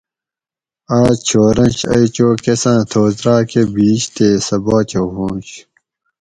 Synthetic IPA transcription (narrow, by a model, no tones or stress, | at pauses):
aːt͡ɕʰoːɾɐ̃nɕɐ̰it͡ɕoːkesãːt̪ʰoːzɾaːkebiːɕt̪eːsɐbaːt͡ɕoɦũːnt͡ɕ